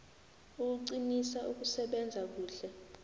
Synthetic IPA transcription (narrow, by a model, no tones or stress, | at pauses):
uk̬uǀinisaʔuk̬usɛɓɛnd͡zʱak̬uːɬɛ